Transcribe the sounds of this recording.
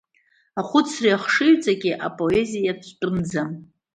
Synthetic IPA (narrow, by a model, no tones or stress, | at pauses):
aχʷʊt͡sʰriaχʂɨɥt͡sʼaɡʲiʔapʼo̞e̞zijatʷʰʼt͡pʼɨnd͡zam